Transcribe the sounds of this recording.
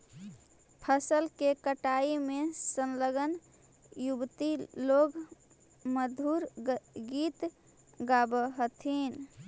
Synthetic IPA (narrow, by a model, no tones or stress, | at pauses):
pʰəsəlkekəʈaimesənləɡən | jubt̪iloɡ | məd̪ʱuɾɡit̪ | ɡabəɦət̪ʰin